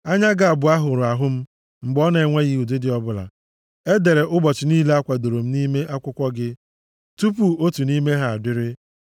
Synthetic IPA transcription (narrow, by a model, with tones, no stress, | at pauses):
a˦ɲa˦ɡa˨a˨bʊ˨a˦ɦʊ˨ɾʊ˨a˨ɦʊ˦m̩˦ | ŋ͡m̩˨ɡ͡bɔ˦ne˨e˨˦ŋʷe˦ɣi˦u˨de˦dɪ˨ɔ˦bʊ˦la̰˨ | e˦de˨ɾe˨ʔʊ˦bɔ˨t͡ʃɪ˨niː˦le˦a˦kʷa˨do˨ɾo˨m̩˦ni˦me˦ʔa˦kʷʊ˦kʷɔ˦ɡɪ˦ | tu˦pu˨o˦tu˨ni˦me˦ɦa˨a˨dɪ˦ɾɪ˦